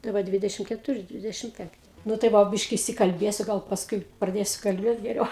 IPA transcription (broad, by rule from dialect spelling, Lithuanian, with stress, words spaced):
tɐɪ ˈʋɐ ˈdʲʋʲɪdʲɛʃʲɪm kʲɛtʊˈrʲɪ ˈdʲʋʲɪdʲɛʃʲɪm ˈpʲɛŋktʲɪ nʊ tɐɪ ˈʋɐ ˈbʲɪʃʲkʲɪ ɪʃʲsʲɪkɐlʲˈbʲeːsʲʊ ˈɡɐlˠ pɐsˈkʊɪ prɐˈdʲeːsʲʊ kɐlʲˈbʲeːt ɡʲɛˈrʲɛʊ